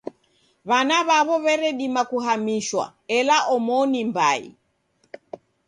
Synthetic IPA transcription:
βanaβaβɔβɛɾɛɗimakuɦamiʃwa̰ɛlaʔɔmɔnimbaḭ

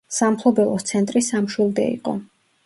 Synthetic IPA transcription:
sampʰlˠɔbɛlˠɔt̪sʰɛnt̪ʼɾisamʃwilˠd̪ɛ̰ḭqʼɔ̰

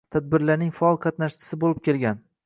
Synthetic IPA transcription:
t̪ʰad̪̚bɪɾlaɾnɪŋfaɒlˠqʰɑt̪naʃt͡ʃʰɪ̥sɪbolɪp̚kʲe̞lɡʲan

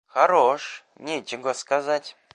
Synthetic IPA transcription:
xɐɾoʂ | nʲet͡ʃɪɡəskazatʲ

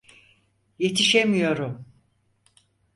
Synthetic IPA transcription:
je̞t̪ʰiʃe̞mijo̞ɾum

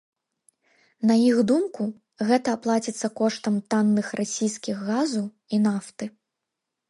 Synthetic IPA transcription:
nɐjiɣd̪umku | ɣɛt̪ɐːplˠat͡sʲit̪sːɐkɔʂt̪ɐmt̪anːɨxrʔasʲijskʲiɣːazu | inaft̪ɨ

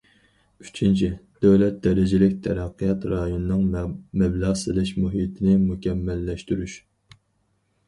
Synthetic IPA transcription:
yt͡ʃʰint͡ʃʰid̪̥øwlɛt̪̚d̪ɛɾɪd͡ʒɪlɪkʲt̪ʰɛɾæqːɨjɑt̪ɾɑjonɨnɨŋmɛblɑʁsɨlˠɪʃmuɦit̪ʰɪnɪmukʲʰɛmːɛlːɛʃt̪yɾyʃ

